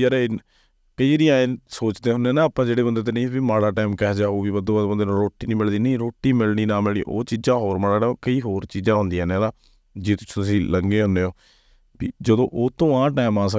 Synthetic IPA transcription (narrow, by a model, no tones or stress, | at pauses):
əɾe | kəiːɾijãːẽːnsoːt͡ʃd̪eːɦʊnːeːnãːaːpːãːd͡ʒeːɽeːbənd̪eːt̪̬eːnəĩːbimaːɽaːʈaːmkɛːd͡ʒaːuːbiːbəd̪õːəd̪bənd̪eːnːɾoːʈːiːnĩːmɪld̪iːnĩːɾoːʈːiːmɪlniːnãːmɪlḭ̃ːʔo̰ːt͡ʃiːd͡ʒãːɦoːɾməɽaːʈːkəiːɦoːɾt͡ʃiːd͡ʒãːɦʊ̃nd̪iãːnẽːd̪aː | d͡ʒeːt̪ʊ̥sʰːʊsĩːləŋɡeːɦʊndeːoː | biːd͡ʒəd̪õːʔoːt̪õːãːʈaːɪmãːs̬ə